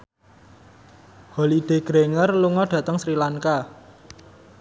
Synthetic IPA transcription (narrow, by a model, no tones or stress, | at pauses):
holiɖ̪̥e̤ɡ̥ɾeŋərluŋɔɖ̥ä̤t̪əŋsɾilaŋka